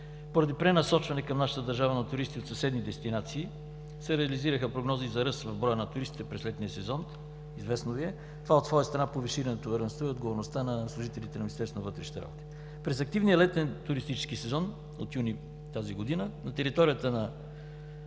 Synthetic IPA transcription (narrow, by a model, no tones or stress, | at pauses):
poɾɐd̪ipɾɛnɐsɔt͡ʃvɐnɛkɐmnaʃət̪əd̪ɐɾʒavənɐt̪ʊɾist̪iot̪sɐsɛd̪nid̪ɛst̪inat̪siː | sɛɾɛɐliziɾəxəpɾoɡnɔzizɐɾɤsvɐvbɾɔjənɐt̪ʊɾist̪i̥t̪ɛpɾɛslɛt̪nijəsɛzɔn | izvɛsnoviɛ | t̪ovaot̪svɔjəst̪ɾɐnapoviʃiɾɐnɛt̪ovɛɾɛnst̪voɛod̪ɡovoɾnost̪anɐslˠʊʒit̪ɛlʲit̪ɛnɐminist̪ɛɾsonvɤt̪ɾɛʃi̥t̪ɛɾa̰bot̪i̥ | pɾɛzɐk̚t̪ivnijəlɛt̪ɛnt̪ʊɾist̪it͡ʃɛ̥skisɛzɔn | o̰t̪juni | t̪aziɡod̪inənɐt̪ɛɾit̪ɔɾijət̪ənɐ